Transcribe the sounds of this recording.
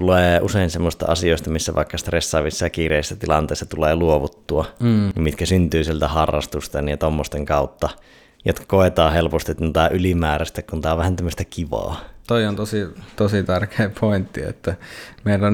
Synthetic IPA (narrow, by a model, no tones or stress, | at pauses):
t̪uleːuseˑinsemːosest̪ɑ̰ɑsijoˑest̪ɑmisːæʋʔɑ̰ˑekːɑst̪resːɑːʋisːɑjɑkiːreˑisːæt̪ilɑ̰nt̪ˑeˑːsːɑt̪uleːluoʋut̪ːuɑnimmit̪kæsynt̪yːsielt̪æhɑrːɑ̰st̪ust̪ɑnit̪omːost̪eŋkɑˑut̪ːɑ | jot̪kɑ̥koˑet̪ɑːhelpost̪it̪nut̪æʔylimæːræst̪ækkunt̪æːoʋæhænt̪æmːəst̪ækiʋɑ̰ːt̪oiont̪osit̪osit̪ærkeːpʰoint̪ːiḛt̪ːæmeˑilːæn